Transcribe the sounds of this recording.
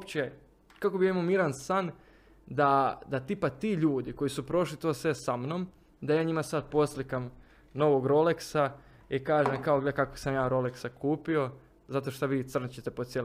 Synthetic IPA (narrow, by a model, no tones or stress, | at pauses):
opt͡ɕ | kakobijemomiɾansan | d̪ad̪at̪ipat̪iːʎuːd̪iko̞jisupɾo̞ʃlit̪oːsʋe̞samnom | d̪ajaːɲimasad̪̚po̞slikam | no̞ʋo̞ɡɾo̞leksa | ikaːʒemkaoɡlekakosamjaːɾo̞leksakʰuːpio̞ | zat̪o̞ʃt̪oʋiːt̪sr̩nt͡ɕet̪e̞pod̪t̪sjel